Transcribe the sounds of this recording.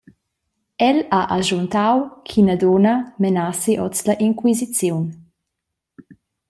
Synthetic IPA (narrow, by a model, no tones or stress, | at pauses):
ɛlaʔaʒunt̪awkʰinad̪onɐmenasiʔɔt͡slɐʔiŋkwizit͡sjun